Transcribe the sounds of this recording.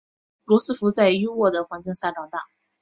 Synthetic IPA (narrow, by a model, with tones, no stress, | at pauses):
lwɔ˧˥sɹ̩˥˩fu˧˥t͡sa˥˧ɪjo˥wɔ˥˩d̪ə˩xwa˧˥nt͡ɕi˥˧ŋɕja˥˩ʈ͡ʂɑ˨˩ŋt̪a˥˩